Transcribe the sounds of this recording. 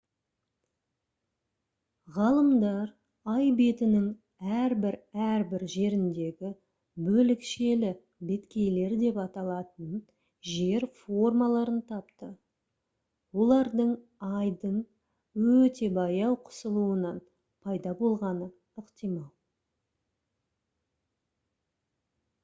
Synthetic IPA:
ʁɑlˠəmd̪ɑɾ | ɑjbe̞t̪ɪnɪŋ | æɾbɪɾæɾbɪɾʒe̞ɾɪnd̪e̞ɡʲɪ | bɵlɪkʃe̞lɪ | be̞t̪kʲe̞jle̞ɾd̪e̞pɑt̪ɑlˠɑt̪ən | ʒe̞ɾfo̞rmɑlˠɑɾənt̪ʰɑpt̪ə | wo̞lˠɑɾd̪əɴ | ɑjd̪əɴ | wɵt̪e̞bɑjɑwqʰʊ̥səlˠuənɑn | pʰɑjd̪ɑbo̞lˠʁɑnə | ʏqt̪ijmɑlˠ

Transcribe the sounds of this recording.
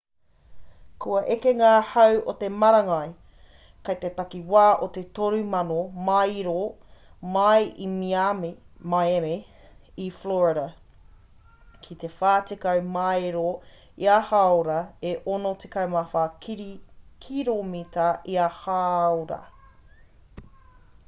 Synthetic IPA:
kʰuɐʔekeŋaːhɐwʔot̪emɐɾɐŋɐj | kɐjt̪et̪ɐkiwaːʔot̪et̪oɾʉmɐnomɐjɾo | mɐjʔimiammajeme | ifloɹeɾɐ | kʰit̪efaːtikɐwmɐeɾo | iahaoɾɐeʔonot̪ekɐwmafakɾkʰiɾomit̪ɐʔiɐhaoɾɐ̰

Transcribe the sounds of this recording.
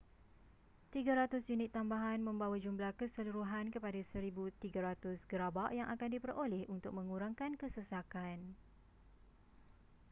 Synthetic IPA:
t̪iɡaɾat̪ʊsjunɪt̪ːambaɦanmə̃mbawad͡ʒumblahkəsəluɾuɦankəpadasəɾibut̪iɡaɾat̪ʊsɡəɾabaʔjaŋʔakandipərolɛhunt̪ʊk̚mə̃ŋuɾaŋkankəsəsakan

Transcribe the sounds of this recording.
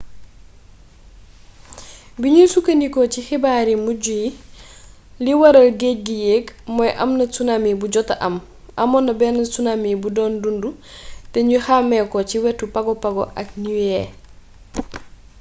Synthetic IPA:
biɲusukɐnikɔcixibaːɾimuɟuji | liwɐɾɐlɡec̚ɡijekmɔjʔɐ̰mnɐsunamibuɟɔtɐʔɐm | ʔɐ̰mɔnːɐbɛnɐsunamibudɔːndundutɛɲuxamɛkɔciwɛtːupɐɡɔpɐɡɔ̰ʔɐk̚niwɛ

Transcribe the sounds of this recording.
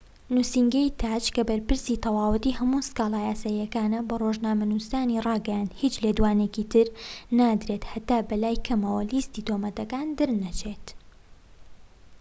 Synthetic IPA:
nusiŋɡɐjt̪ʰaːt͡ʃkɐbɐɾpɨɾsit̪ʰɐwaːwɨt̪ihɐmuskaːlˠaːjaːsaːjːɐkaːnɐbɐroʒnaːmɐnust̪aːnirˤɑːɡɛjand̪hit͡ʃled̪waːnekit̪ʰɨɾnaːd̪ɾet̪hɐt̪aːbɐlaːjkʰɐmɐwɐlist̪iːt̪omɐt̪ɐkaːnd̪ɨɾnɐt͡ʃʰet̪

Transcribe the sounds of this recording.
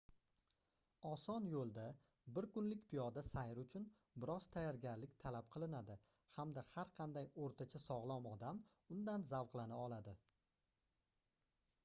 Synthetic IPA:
ɒsɒnjolˠd̪a | bɪɾkʊnlɪkʲpʰɪjɒd̪asajɪɾʊt͡ʃʰʊn | bɪɾɒz̥t̪ʰajaɾɡʲaɾlɪkʲt̪ʰalap̚qʰɨlˠɪnad̪ɪ | hamd̪ahaɾqʰɑnd̪ajoɾt̪ʰat͡ʃʰasɒʁlˠɒmɒd̪am | ʊnd̪anzawqlˠanaɒlˠad̪ɪ

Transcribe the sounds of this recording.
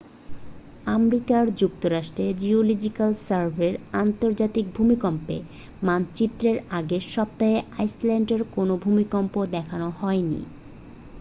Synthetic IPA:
amɾikaɾd͡ʑuk̚t̪oɾaʃʈɾed͡ʑiolid͡ʑikalsaɾbʱeɾant̪oɾd͡ʑat̪ik̚bʱumikɔmpḛ | mant͡ɕit̪ːɾeɾaɡeʃɔb̚t̪aɦeʔajslɛɳɖeɾkonobʱumikɔmpod̪ɛkʰanohɔenḭ

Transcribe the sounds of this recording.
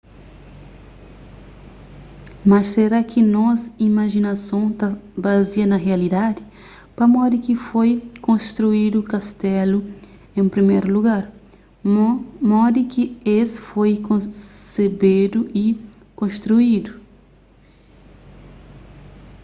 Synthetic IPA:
mɐsseɾakʰɪnɔzimaʒinasɐ̃w̃t̪abaziɐnɐɦealid̪ad̪ɪ | pɐmɔd̪ɪkɪfojkõst̪ɾuid̪ʊkast̪ɛlʊ | ẽpɾimejɾʊluɡaɾ | mɔd̪ɪkɪesfojkõsebed̪ʊʔɪ | kõst̪ɾuid̪ʊ

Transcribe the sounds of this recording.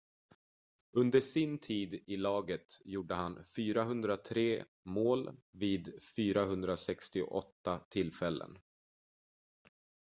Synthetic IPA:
ɵnd̪əʂɪnt̪ʰiːd̪ɪlɑːɡət̪juːɖəɦanfyːɾaɦɵnd̪ɾat̪ʰɾeː | moːlviːd̪fyːɾaɦɵnd̪ɾasɛkst̪ɪʊ̰ʔɔt̪ːat̪ʰɪlfɛlːə̰n

